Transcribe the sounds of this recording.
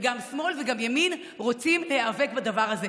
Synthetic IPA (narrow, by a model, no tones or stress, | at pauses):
ɡamsmo̞lveɡamjamin | ʁo̞t͡simleheave̞kbad̪avaʁhaze̞